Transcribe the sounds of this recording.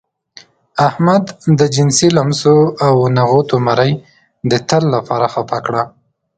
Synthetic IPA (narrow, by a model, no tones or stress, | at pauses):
ahmad̪ːəd͡ʒɪnsilamsoawnaɣot̪omaɾəj | d̪ət̪əlːapɑɾaxapakɽa